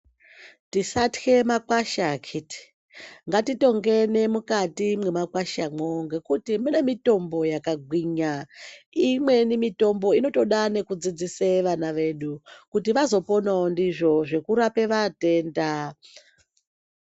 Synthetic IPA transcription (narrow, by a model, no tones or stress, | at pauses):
tisatke̞makwaʃakʰiti̥ | ŋɡatito̞ŋɡe̞nemukatimwe̞makwaʃamoŋɡekutimune̞mito̞mbo̞jakaɡʱwiɲaimwe̞nimito̞mbo̞ino̞to̞ɗane̞kud͡zid͡ziseʋanaʋe̞ːɗukutiʋazo̞po̞naondiʐo̞ʐe̞kuɾape̞ʋate̞ːnda